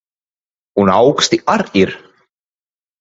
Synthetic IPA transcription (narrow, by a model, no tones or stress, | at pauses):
hunaːwkst̪iʔaɾiɾ̥